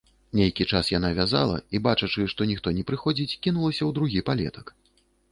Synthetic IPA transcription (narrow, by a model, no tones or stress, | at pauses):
nʲejkʲit͡ʂasjanavʲaza̰lˠɐ̰ibat͡ʂɐt͡ʂɨʂt̪ɔnʲixt̪ɔnʲɛpɾɨxɔd͡zʲit͡sʲkʲinulˠɐsʲɐwd̪ɾuɣʲipalʲɛ̰t̪ɐ̥k